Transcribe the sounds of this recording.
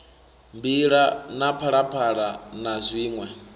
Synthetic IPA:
mbiɺanapʰaɺapʰaɺanazʷiːŋwɛ

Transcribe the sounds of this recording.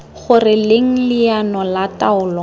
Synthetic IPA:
χʊrɪleŋ̩lɪjanɔlataʊːlɔ

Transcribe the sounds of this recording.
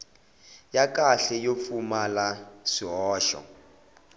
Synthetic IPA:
jakʼaɬɛjofumalasiɦɔːʃɔ̰

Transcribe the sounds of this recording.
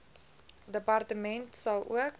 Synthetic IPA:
dəpɑrtəmɛntsɐlˠṵək

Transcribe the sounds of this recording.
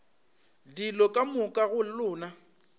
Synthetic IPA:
dilɔkʼamʊkʼaɣʊlʊːna

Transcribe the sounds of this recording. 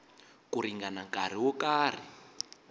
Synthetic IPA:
kuɾiŋɡanaŋkaɾ̤iwɔkaːr̤i

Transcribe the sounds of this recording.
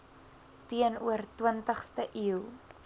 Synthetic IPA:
tiənuərtwəntəχstəʔiw

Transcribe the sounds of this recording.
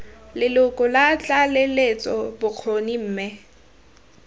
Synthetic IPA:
lɪlʊkʼʊlat͡ɬʼalelet͡sʼɔbʊk͡xʰonim̩ːmɛ

